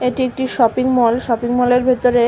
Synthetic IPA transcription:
eʈiek̚ʈiʃɔpiŋmɔlʃɔpiŋmɔleɾbʱet̪oɾe

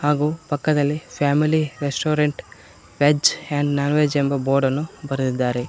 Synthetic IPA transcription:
haːɡuːpɐkːɐd̪ɐlːipʰaːmiliɾesʈoːɾeɳʈ | ʋed͡ʒeɳɖnɐnʋed͡ʒembɐboːɾɖɐnːubɐɾud̪id̪ːaːɾe

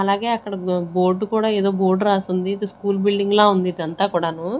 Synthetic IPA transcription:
ɐlaːɡe̞ːɐkːɐɽɐbo̞ːɾɖukuːɽaːeːd̪o̞ːbo̞ːɾɖɾaːsund̪id̪iskuːlbilɖiŋɡloːund̪id̪iɐnt̪aːkuːɽaːnuː

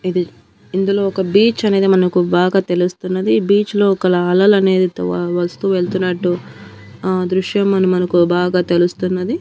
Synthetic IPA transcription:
id̪i | ind̪ulo̞ːɔkɐbiːt͡ʃɐne̞ːd̪imɐnɐkubaːɡaːt̪e̞lust̪unːɐd̪ibiːt͡ʃlo̞ːɔkɐlɐːlɐlɐne̞ːd̪it̪ʋɐst̪uːʋe̞ɭt̪unːɐʈːu | aːd̪ɾuʂjɐmːɐnɐmːɐnɐkubaːɡaːt̪e̞lust̪unːɐd̪i

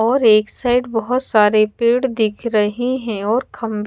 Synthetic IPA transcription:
ɔːɾeːksaːɪɖbɐɦʊt̪saːɾepeːɽd̪ɪkʰɾɐɦiɦɛ̃ɔːɾkʰɐ̃mb

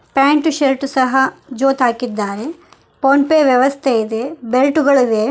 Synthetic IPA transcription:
paːɳʈuʃelʈusɐɦɐd͡ʒoːt̪aːkid̪ːaːɾe | ponpeːʋjɐʋɐst̪ʰeid̪ebelʈuɡɐɭuʋeː

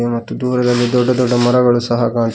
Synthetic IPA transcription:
ɐmɐt̪ːud̪uːɾɐd̪ɐlːid̪ɔɖːɐd̪ɔɖːɐmɐɾɐɡɐɭusɐɦɐkaːɳ

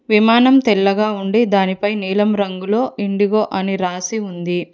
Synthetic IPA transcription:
ʋimaːnɐmt̪ɛɭːɐɡaːuɳɖid̪aːnipɐjniːlɐmɾɐŋɡulo̞ːʔiɳɖiɡoːʔɐniɾaːsiund̪i

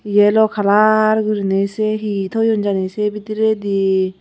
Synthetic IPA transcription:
jelɔkʰalaɾɡɯɾineseɦit̪ʰɔjond͡ʑanesebit̪iɾed̪i

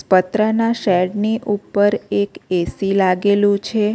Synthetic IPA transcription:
spət̪ɾənaʃɛɖniʔupːəɾekesilaɡelũt͡ʃʰe

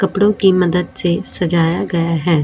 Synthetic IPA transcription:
kəpɽõːkiːməd̪əd̪sesəd͡ʒaːjaːɡɐjaːɦɛː

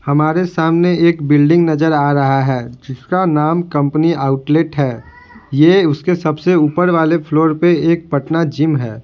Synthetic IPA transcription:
hɐmaːɾesaːmneeːkbɪlɖɪ̃ŋɡnɐzəɾaːɾɐɦaɦɛːd͡ʒɪskanaːmkɐ̃mpniaːʊʈleːʈɦɛː | jeʊskesɐbseuːpəɾʋaːlepʰloːɾpeeːk̚pəʈnad͡ʒɪmɦɛː

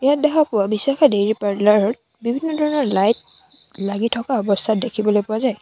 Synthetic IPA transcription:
ijat̚dɛkʰapʊwabisakʰadeɹipaɹdlaɹɔt̚ | bibʱinːɔdʱɔɹɔnɔɹlajt̚ | laɡitʰɔkaɔbɔstʰat̚dekʰibɔlojpʊazaj

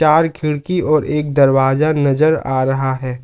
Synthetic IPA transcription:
t͡ʃaːɾkʰɪɽkiɔːɾʔeːk̚d̪ɐɾwaːzanɐzəɾa̰ːɾɐɦaɦɛː

